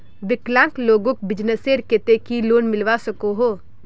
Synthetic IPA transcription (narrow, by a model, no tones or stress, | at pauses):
bɪklãːŋkloːɡõk̚bɪd͡ʒnəseːɾket̪ekiloːnmɪlʋasəkoɦoː